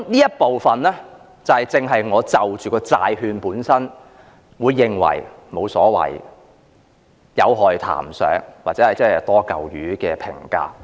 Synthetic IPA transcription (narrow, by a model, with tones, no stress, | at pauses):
niː˥jɐ˥t̚po˨wfɐ˨nlɛː˥ | t͡sɐ˨whɐ˨jt͡sɪ˧ŋɦɐ˨jŋɔː˨˧t͡sɐ˨wt͡ʃyː˨˩kɔː˧t͡sa̰ː˧jɦyː˧npuː˨˥nsɐ˥n | wuː˨˧jːɪ˨ŋwɐ̰˨˩jmo˨˧wsɔː˨˥wɐ̰˨˩j | jɐ˨˧wɦɔː˨˩jt̪ʰa̰ː˨˩msœ̰ː˨˥ŋwaː˨t̚t͡sɛː˨˥hɐ˨jt͡sɐ˥hjt̪ɔː˥kɐ˨wjyː˨˥kɛː˧pʰɪ̰˨˩ŋka̰ː˨˥